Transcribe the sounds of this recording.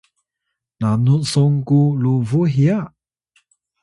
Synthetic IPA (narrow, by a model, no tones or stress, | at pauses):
nanusɔŋkuluvuɦia